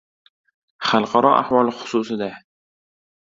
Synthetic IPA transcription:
χalˠqʰɑɾɒʔa̰hwɒlˠχʊ̥susɪd̪a

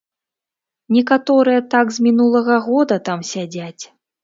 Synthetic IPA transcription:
nʲɛkat̪ɔɾɨjɐt̪aɡzʲmʲinulˠɐɣɐɣɔd̪ɐt̪amsʲad͡zʲat͡sʲ

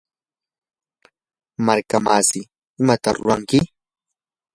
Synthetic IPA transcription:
maɾkamasɪ | ɪmat̪aɾʊɾaŋkɪ

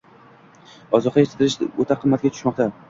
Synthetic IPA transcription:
ɒzɒqɑjet͡ʃ̪ʰɪd̪ɪɾɪʃot̪ʰaqʰɨmːat̪̚ɡʲat̪ʰʊ̥ʃmɒqt̪ʰa

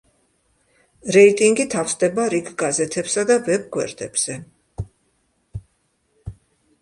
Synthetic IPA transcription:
ɾɛit̪ʼiŋɡit̪ʰafsd̪ɛbaɾiɡɡazɛt̪ʰɛpsad̪avɛb̚ɡwɛ̰ɾd̪ɛbz̥ɛ

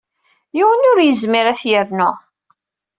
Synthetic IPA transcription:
jiwənʊɾjəzmiɾæθjəɾnʊ

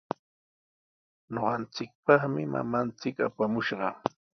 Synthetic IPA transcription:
noɢɑnt͡sɪk̚pɑχmɪma̰mant͡sɪka̰pamʊʃɢɑ

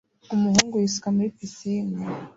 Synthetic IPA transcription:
umuɦuːŋɡujisu̥kamuɾipisiːŋɡa

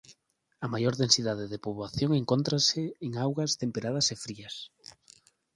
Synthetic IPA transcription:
ɐmajoɾðensiðaðɪðepoβwaθjoŋeŋkont̪ɾasɪːŋawɣɐst̪empeɾað̞ɐsefɾiɐs

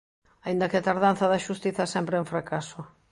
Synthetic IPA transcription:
aind̪ɐkɪat̪aɾðan̟θɐðɐʃust̪iθɐsɛmpɾeeɱfɾakasʊ

